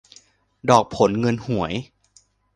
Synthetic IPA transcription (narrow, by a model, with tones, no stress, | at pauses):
dɔː˨˩k̚pʰo˩˦nŋɤ˧nhu˩˦əj